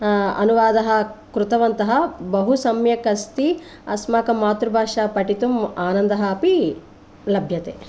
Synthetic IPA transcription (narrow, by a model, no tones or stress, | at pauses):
ɐ̰nuʋaːd̪ɐɦɐkɾut̪ɐʋɐnt̪ɐɦɐbɐɦusɐmjɐkɐst̪i | ɐsmaːkɐmaːt̪ɾubʱaːʂaːpɐʈit̪umaːnɐnd̪ɐɦɐːpi | lɐbʱjɐt̪ḛː